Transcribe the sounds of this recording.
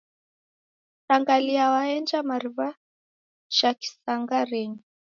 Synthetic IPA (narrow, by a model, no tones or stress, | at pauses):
taŋɡaliawaɛnd͡ʒamaɾβa | ʃaki̥saŋɡaɾɛɲi